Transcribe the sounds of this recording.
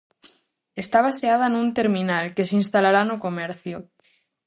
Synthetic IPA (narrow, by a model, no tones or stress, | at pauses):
e̞st̪aβ̞aseaðanũnt̪e̞ɾmĩnalke̞sinst̪alaɾanokomeɾθjo